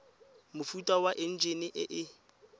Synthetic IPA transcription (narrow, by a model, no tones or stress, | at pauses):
mʊfutʼawaʔɪn̩d͡ʒenɪʔɪʔɪ